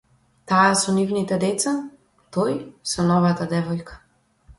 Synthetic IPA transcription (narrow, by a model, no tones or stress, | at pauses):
t̪aːsɔnivnit̪ɛd̪ɛt̪sa | t̪ɔjsɔnɔvat̪ad̪ɛvɔjkḁ